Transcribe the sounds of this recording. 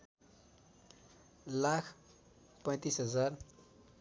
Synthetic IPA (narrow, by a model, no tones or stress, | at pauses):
lakʰ | pʌ̃j̃t̪isɦʌd͡zar